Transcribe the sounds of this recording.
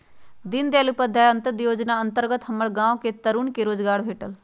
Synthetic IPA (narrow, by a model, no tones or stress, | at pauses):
d̪ɪnd̪eaːlupəd̪ʱaːjənt̪əd̪joːd͡ʒnaːənt̪əɾɡət̪ɦəməɭɡãːõket̪əɾuɳkeɾoːd͡ʒɡaːɽbʱeːʈəl